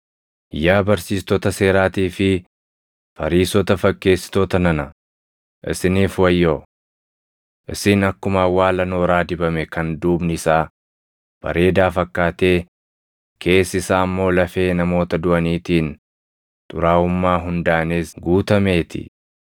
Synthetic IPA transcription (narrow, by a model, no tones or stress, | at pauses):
jaːbɐɾsiːst̪ɔt̪ɐse̞ːɾaːt̪iːfɪ | fɐɾiːsɔt̪ɐfɐkːe̞ːsːɪ̥t̪oːt̪ɐnɐnɐ | ʔɪ̰sɪniːfwɐjːoː | ʔɪsɪnɐkːʊmaːwaːlɐnoːɾaːd̪ɪbɐmɛkɐnd̪uːbnɪɪsaː | b̥ɐ̰ɾe̞ːd̪aːfɐkːaːt̪e̞ː | kʰe̞ːsɪsaːɐmːo̞ːlɐfe̞ːnɐmo̞ːt̪ɐd̪ʊʔɐniːt̪iːn | t̪ʼʊ̰ɾaːʊmːaːɦʊnd̪aːneːsɡuːt̪ɐme̞ːt̪ɪ̰